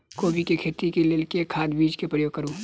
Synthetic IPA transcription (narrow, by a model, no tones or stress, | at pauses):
koːbikekʰeːt̪ikileːlkekʰaːd̪biːd͡ʒkepɾəjoːɡ̚kəɾũː